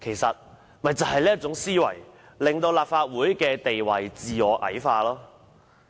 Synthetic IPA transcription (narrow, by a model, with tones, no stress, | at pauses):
kʰe˨˩jsɐ˨t̚ | mɐ˨jt͡sɐ˨˩whɐ˨jliː˥ɐ˥t̚t͡sʊ˨˥ŋsiː˥wɐ̰˨˩j | lɪ˨ŋt̪o˧wlaː˨p̚faː˧t̚wuː˨˥jkɛː˧t̪e˨jwɐ˨˩jt͡siː˨ɔː˨˥ʔɐ̰˨˥jfaː˧lɔː˥